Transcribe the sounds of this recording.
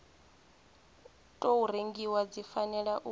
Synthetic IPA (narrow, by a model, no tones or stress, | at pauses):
tʼoureŋɡiwad͡zifanɛɺaʔu